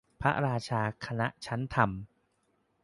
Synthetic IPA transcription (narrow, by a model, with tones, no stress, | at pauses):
pʰa˦˥ɾaː˧t͡ɕʰaː˧kʰa˧na˦˥ʔt͡ɕʰa˦˥nt̪ʰa˧m